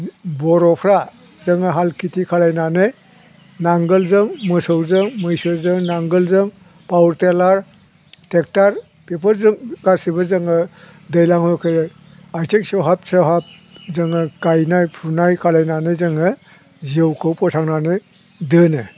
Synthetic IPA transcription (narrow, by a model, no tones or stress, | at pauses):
bɔɾɔpʰɾa | zɯŋɯɦalkitʰikʰalajnane | naŋɡɯlzɯŋmɯsɔwzɯŋmɯjsɯzɯŋnaŋɡɯlzɯŋ | pawɾtelaɾ | tek̚taɾ | pepʰəɾzɯŋɡaɾsibɯzɯŋɯ | dejlaŋhɔjkʰɯ | ajtʰek̚sewɦap̚sewɦap̚ | zɯŋɯkajnajpʰuɾnajkʰalajnanɯzɯŋɯ | zɯwkʰɯwpʰɔsʰaŋnanɯ | dɯnɯ